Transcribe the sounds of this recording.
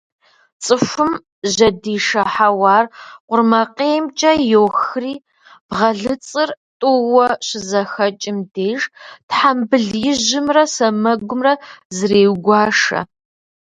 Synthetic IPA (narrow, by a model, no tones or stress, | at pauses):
t͡sʼɨfʷʊm | ʑɐdiːʂɐħawɑːrqʷʊrmɐqeːmt͡ʃʼɐjoːwxriː | b̥ʁɐɮɨt͡sʼɨrtʼʊwɐɕɪzɐxɐt͡ʃʼɪmdeːʒtħambɨɮjɪʑɪmrɐsɐmɐɡʷʊmrɐzɨreːwɡʷɑːʂɐ̰